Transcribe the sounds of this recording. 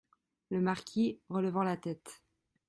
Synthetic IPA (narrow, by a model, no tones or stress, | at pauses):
ləmaʁkʲʰiʁələvɑ̃lat̪ɛt̪